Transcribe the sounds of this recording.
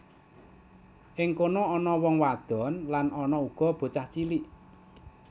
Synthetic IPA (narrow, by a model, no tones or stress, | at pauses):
ʔɪŋkonoɔnɔwɔŋwad̪̥ɔ̤nlanɔnɔuɡ̥ɔ̤b̥o̤t͡ʃaht͡ʃiliʔ